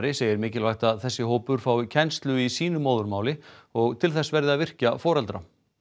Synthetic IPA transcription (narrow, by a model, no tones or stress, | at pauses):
ɾɪseːjɪɾmɪːcɪlvajht̪aðθɛsːɪɦoːwpʏɾ̥faːwicʰɛnst̪lʏisiːn̪ʏmoːwðʏɾmaːwlɪɔɣt̪ʰɪlθɛsvɛɾðɪaðvɪr̥cafɔːɾɛlt̪ɾa